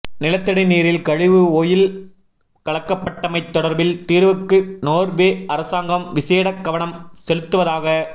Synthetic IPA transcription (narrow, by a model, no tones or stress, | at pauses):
nɪlɐt̪ːɐɽɐɪniːɾɪlkɐɻɪʋɯoːjɪl | kɐɭɐkːɐpːɐʈːɐmɐɪt̪ːɔɽɐɾbɪlt̪iːɾʋɯkːɯnoːɾʋeːɐɾɐsaːŋɡɐmʋɪseːɽɐkːɐʋɐɳɐmsɛlɯt̪ːɯʋɐðaːɣɐ